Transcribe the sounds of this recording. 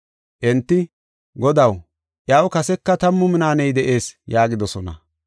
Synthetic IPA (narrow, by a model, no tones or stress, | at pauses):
ʔɛnt̪ːɪ | ɡɔd̪ɐw | ʔjaːwkɐsɛkːɐt̪ɐmːʊmɪnaːnɛjd̪ɛʔe̞ːsjaːɡɪd̪ɔsɔnɐ̰